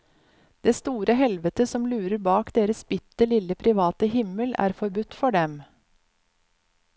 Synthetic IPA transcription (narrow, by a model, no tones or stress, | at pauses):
d̪̥eːst̪uːɾəɦɛlʋət̪əsɔmlʉːɾəɾbɑːkd̪eːɾəsbɪt̪ːəlɪləpʰɾɪʋɑːt̪əɦɪməlæ̰ːɾfɔɾbʉt̪ːfɔɖɛm